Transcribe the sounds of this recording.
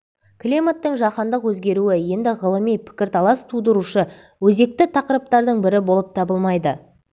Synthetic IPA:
klʲimat̪ːəɴʒɑqɑnd̪əqwɵzɡʲe̞ɾuɪje̞nd̪ɪʁəlˠəmijpʰɪ̥kʲɪɾt̪ʰɑlˠɑst̪ʰud̪əɾuʃə | wɵze̞k̚t̪ɪt̪ʰɑqəɾəp̚t̪ɑɾd̪əɴbɪɾɪbo̞lˠəp̚t̪ʰɑbəlˠmɑjd̪ə

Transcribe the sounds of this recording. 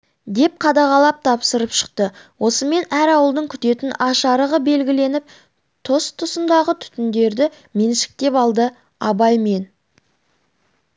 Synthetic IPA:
d̪e̞p̚qʰɑd̪ɑʁɑlˠɑp̚t̪ʰɑpsəɾəpʃə̥q̚t̪əwʔo̞səme̞næɾɑwəlˠd̪əɴkʲʰʏt̪e̞t̪ɪnɑʃɑɾəʁəbe̞lɡʲɪle̞nɪp̚ | t̪ʰo̞st̪ʰʊsənd̪ɑʁət̪ʰʏ̥t̪ɪnd̪e̞ɾd̪ɪ | me̞nʃɪ̥k̚t̪e̞pɑlˠd̪ə | ɑbɑjme̞n

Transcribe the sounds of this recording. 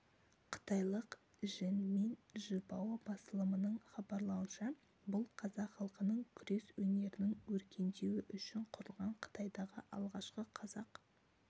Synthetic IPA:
qʰə̥t̪ɑjlˠəq | ʒɪnme̞nʒəpɑwɑbɑst̪əlˠəmənəɴχɑbɑɾlˠɑwənʃɑ | bʊlˠqʰɑzɑqχɑlˠqənəɴkʲʰʏɾe̞swɵne̞ɾɪnɪŋwɵɾkʲe̞nd̪e̞wɪʔʏʃɪɴqʰʊɾəlˠʁɑɴqʰə̥t̪ɑjd̪ɑʁə̰ʔɑ̰lˠʁɑʃqəqʰɑzɑq

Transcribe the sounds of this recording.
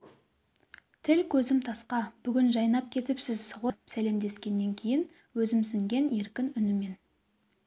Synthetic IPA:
t̪ʰɪlkʲʰɵzɪmt̪ʰɑsqɑb̥ʏɡʲɪnʒɑjnɑp̚kʲʰe̞t̪ɪpsɪzsʁopsæle̞md̪e̞skʲe̞nːe̞ŋkʲʰe̞jɪn | wɵzɪmsɪŋɡʲe̞ne̞ɾkʲɪnʏnɪme̞n

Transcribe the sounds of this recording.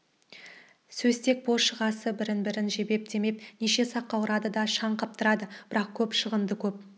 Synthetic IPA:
sɵzt̪e̞k̚boʃəʁɑsəbɪɾɪnbɪɾɪnʒe̞be̞p̚t̪e̞me̞p̚neʃe̞sɑqːɑwəɾɑd̪əd̪ɑʃɑɴqʰɑp̚t̪əɾɑd̪əb̥ɪɾɑq̚kʲʰɵpʃəʁənd̪əkʲʰɵp̚

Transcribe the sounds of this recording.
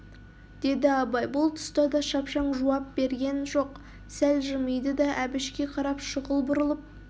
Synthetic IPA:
d̪̥e̞d̪ɪɑbɑjbʊlˠt̪ʰʊ̥st̪ɑd̪ɑʃɑpʃɑɴʒuwɑp̚b̥e̞ɾɡʲe̞nʒo̞q | sælʒɪmijd̪əd̪ɑʔæbɪʃkʲe̞qʰɑɾɑpʃəʁəlˠbʊɾəlˠəp̚

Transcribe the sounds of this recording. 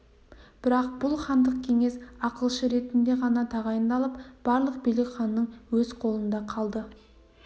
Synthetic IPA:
b̥ɪɾɑq̚b̥ʊlˠχɑnd̪əq̚kʲʰe̞ŋe̞sɑqəlˠʃəɾe̞t̪ɪnd̪e̞ʁɑnɑt̪ʰɑʁɑjənd̪ɑlˠəpb̥ɑɾlˠəqbijlɪkʲχɑnːəɴwɵz̥qʰo̞lˠənd̪ɑqʰɑlˠd̪ə

